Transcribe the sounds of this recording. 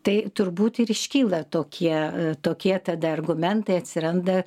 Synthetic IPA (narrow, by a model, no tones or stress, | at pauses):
t̪ɐɪt̪ʊrbuːt̪ɪɾɪʃʲkʲiːlˠɐt̪oːkʲiɛt̪oːkʲiɛt̪ɐd̪ɐɐrɡʊmʲɛnt̪ɐɪɐt̪ʲsʲɪɾɐnd̪ɐ